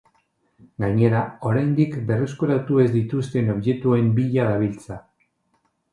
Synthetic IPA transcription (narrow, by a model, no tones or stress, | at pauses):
ɡaɲe̞ɾao̞ɾajnd̪ikbe̞reskuɾat̪ue̞zd̪it̪ust̪e̞no̞βje̞t̪ue̞mbiʎaðaβ̞ilt͡sa